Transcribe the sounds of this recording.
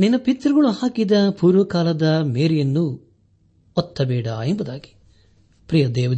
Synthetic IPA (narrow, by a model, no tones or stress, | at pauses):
ninːɐpit̪ɾɐɡɐɭuhaːkid̪ɐpuːɾʋɐkaːlɐd̪ɐmeːɾijɐnːu | ɔt̪ːɐbɛːɽa̰ːembud̪aːɡi̥ | pɾijɐd̪ɛːʋɐd̪